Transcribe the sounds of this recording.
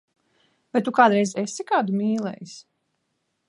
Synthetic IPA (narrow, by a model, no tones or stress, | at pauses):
bɛt̪t̪ːukaːd̪ɾɛjzesikaːd̪umiːlˠɛ̰js